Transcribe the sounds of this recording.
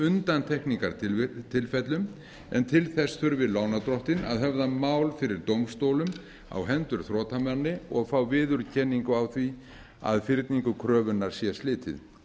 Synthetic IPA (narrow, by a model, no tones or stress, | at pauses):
ʏnt̪ant̪ʰɛhkniŋkaɾt̪ʰɪlfɛt̪lʏm | ɛ̰nt̪ʰɪlθɛsθʏɾvɪðlaːwnat̪ɾɔht̪ɪna̰ðɦɛvðamaːwlfɪɾɪɾt̪owmst̪owlʏm | a̰wɦɛnt̪ʏɾ̥θɾɔːt̪ʰamɛnːɪɔɣfawvɪːðʏɾcʰɛnːiŋkʏawθvi | a̰ðfɪɾt̪niŋkʏkʰɾœːvʏnːaɾ̥sjɛst̪lɪːt̪ʰɪ̰ð